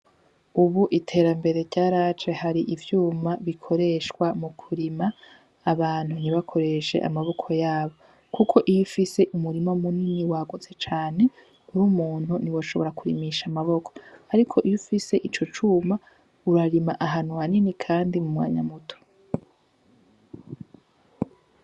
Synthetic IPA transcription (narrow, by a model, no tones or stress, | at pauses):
uβuʔitʰe̞ːɾambe̞ɾe̞ɾɟaːɾat͡ʃehaɾiʔivjuːmaβikʰo̞ɾe̞ʃkwamukʰuɾimaː | βaːn̥huniβakʰo̞ɾe̞ʃe̞̰ʔa̰maβo̞kʰo̞jaːβo̞ | kukʰo̞ʔijufise̞ʔumuɾimomuniniwaːɡot͡se̞t͡ʃaːne̞ | uɾumuːn̥huniwoʃo̞βo̞ɾakuɾḭmiʃamaβo̞kʰoaɾikʰo̞ʔijufise̞ʔit͡ʃo̞t͡ʃuːma | uɾaɾimaʔaɦanuwaninikʰaːndimumwa̰ːɲa̰mutʰo̥